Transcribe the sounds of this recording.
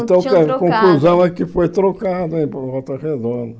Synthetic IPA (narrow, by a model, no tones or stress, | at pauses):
t̪ɐ̃w̃kɐkõkluzɐ̃w̃ɛkɪfojt̪ɾokad̪ɐẽj̃pɔt̪ɐʁed̪õnd̪ɐ